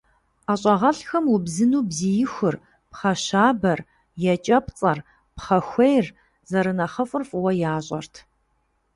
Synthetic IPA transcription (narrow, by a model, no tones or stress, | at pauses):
aːɕʼɐʁɐɬxɐmwʊbzɨnuːbzijɪxʷʊr | pχɐɕaːbɐr | jɛt͡ʃʼɐpt͡sʼɐr | pχɐxʷejr | zɐɾɨnɐχɐfʼʊrfwɐjaːɕʼɐ̰rtʰ